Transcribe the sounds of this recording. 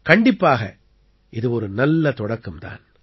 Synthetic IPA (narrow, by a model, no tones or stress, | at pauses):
kɐɳɖɪpːaːɣɐ̰ | ʔɪðɯɔɾɯnɐlːɐt̪ɔɽɐkːɯmt̪a̰ːn